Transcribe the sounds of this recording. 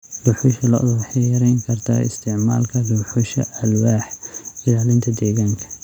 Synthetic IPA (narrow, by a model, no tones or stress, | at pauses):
lʊħʊʃɐlɐʔʊðwɑħiɾɛjŋkʰɐrt̪ʰɐ̰ɪ̰st̪ʰɪʕma̰ːlkʰɐlʊħʊʃɐʔɐlwaːħɪlaːlɪnt̪ʰɐd̪ɛːɣaːŋkʰɐ̥